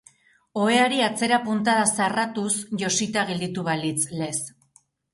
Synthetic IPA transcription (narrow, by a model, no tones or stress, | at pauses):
o̞e̞aɾiat͡se̞ɾapunt̪aðasarat̪usʝo̞sit̪aɣeld̪it̪uβalit͡sle̞s